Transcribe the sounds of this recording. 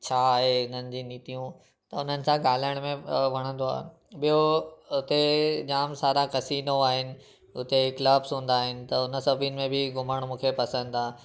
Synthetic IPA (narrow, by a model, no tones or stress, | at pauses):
t͡ɕʰaːaɦeʊn̤ənɪ̆d͡ʑĩːniːt̪ijũ | t̪ɐʊn̤ənɪ̆sãɡaːl̤aəɽ̃mẽʋɐɽ̃ə̃nd̪oa̰ːɦe | ɓijoʊt̪ed͡ʑaːmsaːɾakɐsiːnoaːɦɪnɪ̆ | ʊt̪ekləːbsɦũːn̆d̪aːɦɪnɪ̆t̪ɐʊnə̆sɐbʱinɪ̆mẽbʱɪɡʱʊməɽ̃mũːkʰepɐsə̃nd̪aː